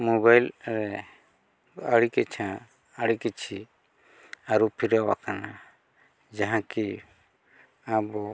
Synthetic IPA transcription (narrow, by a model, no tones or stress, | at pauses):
mɔβajlɾɛ | əɽikɛt͡ʃʰã | əɽikit͡ʃʰi | aɾupʰiɾawa̰kana | d͡ʒaɦãki | abɔ